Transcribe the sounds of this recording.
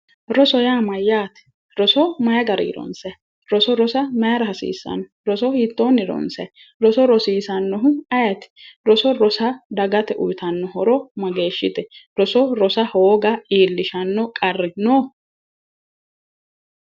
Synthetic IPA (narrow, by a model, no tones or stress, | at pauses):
ɾɔsɔjaːmɐjːaːt̪ɪ̥ | ɾɔsɔmɐjɐɡɐɾ̰ɪɾɔ̰nsɐ | ɾɔsɔɾɔsɐmɐjɐɾɐɦɐsḭːsːɐ̰nɔ | ɾɔsɔhit̪ːoːnɪɾɔ̰nsɐ | ɾɔsɔɾɔsiːsɐnːɔɦʊɐjɐt̪ɛ̥ɾɔsɔɾɔsɐd̪ɐɡɐt̪ɛʔʊjt̪ɐnːɔhɔɾɔmɐɡe̞ːʃːɪt̪ɛɾɔsɔɾɔsɐhoːɡɐiːlːɪʃɐnːɔkʼɐrːɛnɔː